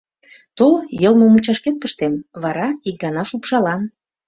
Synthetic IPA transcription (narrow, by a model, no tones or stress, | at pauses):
t̪oljɤlmŏmut͡ɕɑʃket̪̚pəʃt̪emβɑɾɑik̚ɡɑnɑʃupʃɑlɑn